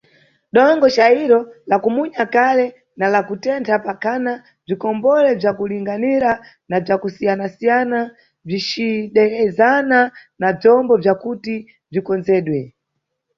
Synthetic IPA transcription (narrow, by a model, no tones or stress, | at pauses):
ɗɔŋɡɔt͡ʃaiɾɔlakumuɲakalɛ | nalakutɛntʰapakʰana | b͡ʐikɔmbɔlɛb͡ʐjakuliŋɡaniɾa | nab͡ʐakusijanasijana | b͡ʐit͡ʃiɗɛɾɛzananab͡ʐɔmbɔb͡ʐakuti | b͡ʐikɔnzɛːɗwɛ